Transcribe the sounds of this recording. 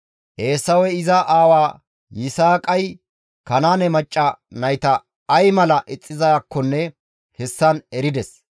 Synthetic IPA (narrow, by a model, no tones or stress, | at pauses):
ʔe̞ːsːɐwɛɪzɐʔaːwaː | jɪsaːkʼɐj | kɐnaːnɛmɐt͡ʃʼːɐnɐjt̪ɐː | jmɐlɐʔɪt͡sʼːɪzɐjakːɔnːɛ | hɛsːɐnɛɾɪd̪ɛs